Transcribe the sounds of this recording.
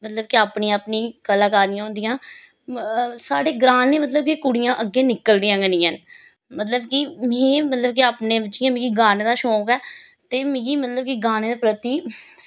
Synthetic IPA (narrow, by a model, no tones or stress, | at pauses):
mət̪ləb̚kiaːpniːaːpnĩːkəlaːkaːɾd̪ɪjãːɦʊ̃ːnd̪ijãː | saːɽeːɡɾaːnːeːmət̪̬ləb̚kikʊɽijãːʔəɡːeːnɪkːəld̪ijãːɡənĩːən | mət̪ləbkimẽːmət̪ləb̚kiaːpneːbɪt͡ʃijãːmĩːɡiːɡaːneːd̪aːʃoːkɛː | t̪eːmĩːkiːmət̪ləb̚kiɡaːneːd̪eːpɾət̪iː